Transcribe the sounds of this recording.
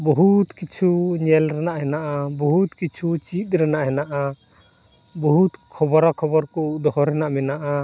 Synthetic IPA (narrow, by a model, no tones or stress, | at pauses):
bɔɦut̪kit͡ʃʰuɲɛlɾɛnaʔhɛnaʔabɔɦut̪kit͡ʃʰut͡ʃit̪̚ˀɾɛnaʔɦɛnaʔa | bɔɦut̪kʰɔbɔɾakʰɔbɔɾkɔd̪ɔɦɔɾɛnaʔmɛnaʔa